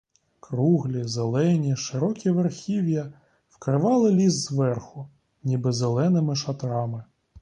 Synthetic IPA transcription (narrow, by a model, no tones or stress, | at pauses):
kɾuɦlʲizelˠɛnʲiʃɪɾɔkʲiʋerxʲiwjɐ | wkɾɪʋɑlˠɪlʲizːʋɛrxʊ | nʲibɪzelˠɛnɪmɪʃɐt̪ɾɑmɪ